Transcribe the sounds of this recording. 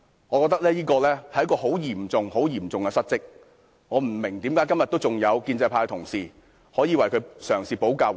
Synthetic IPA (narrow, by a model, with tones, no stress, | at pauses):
ŋɔː˨˧kɔː˧t̪k̚lɛː˥jiː˥kɔː˧lɛː˥hɐ˨jɐ˥kɔː˧ho˨˥wjiː˨˩mt͡sʊ˨ŋho˨˥wjiː˨˩mt͡sʊ˨ŋkɛ˧sɐ˥t̚t͡sɪ˥k̚ | ŋɔː˨˧m̩˨˩mɪ˨˩ŋt̪iː˨˥mkaː˨˥jkɐ˥mjɐ˨t̪wt͡sʊ˨˩ŋjɐ˨˧wkiː˧nt͡sɐ˧pʰaː˧t̪ʰʊ˨˩ŋsiː˨ | hɔː˨˥jiː˨˧wɐ˨˩jkʰɵ˨˧sœː˨˩ŋsiː˨po˨˥wkaː˧w